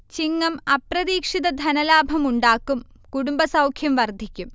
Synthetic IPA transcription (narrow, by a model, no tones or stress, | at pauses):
t͡ɕiŋːɐmɐprɐðiːkʂiðɐd̪ʱɐnɐlaːbʱɐmuɳɖaːkːum | kuɽumbɐsɐwkʰjɐmʋɐrd̪ʱikʲːum